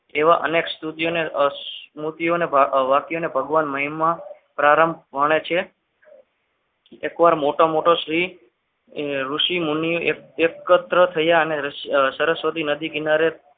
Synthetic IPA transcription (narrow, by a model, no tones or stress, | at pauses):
eʋaʔə̰nekst̪ʰut̪ijone | mut̪ijonebaʋakijonebʱəɡʋanməɦimã | pɾaɾəmbʋaɽ̃et͡ʃʰe | ekʋaɾmoʈomoʈoʃɾi | ɾuʃimunijuʔeekət̪ɾət̪ʰəjaəneɾsəɾəsʋət̪inəd̪ikinaɾe